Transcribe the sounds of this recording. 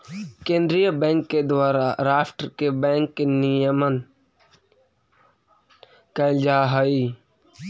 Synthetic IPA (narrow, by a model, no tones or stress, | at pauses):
kẽːnd̪ɾijəbɛ̃ːŋkːed̪waːɾaɾaːfʈɾkebɛ̃ːŋkːenijəmən | kəɪld͡ʒaːɦəiː